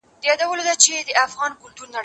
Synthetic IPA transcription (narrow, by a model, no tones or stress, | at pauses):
jɑd̪awəlod̪at͡ʃed̪əafɣɑnkʊlt̪uɾnaɽ